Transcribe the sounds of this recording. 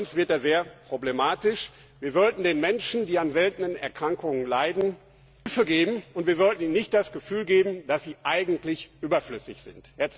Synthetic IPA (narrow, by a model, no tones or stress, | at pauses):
ʊnsv̥ɪɐt̚daːzeːɐpʁ̥oblemaːtɪʃ | viːɐzɔltn̩deːnmɛnʃn̩diːanzɛltənənɛ̰ɐkʁ̥aŋkʊŋənlaɪdn̩ | fəɡeːbm̩ʊntv̥iːɐzɔltn̩iːnɪçt̚d̥asɡ̥əfyːlɡeːbm̩d̥asz̥iːʔaɪɡŋ̩tlɪçʔyːbɐflʏsɪçz̥ɪ̰ntjɛs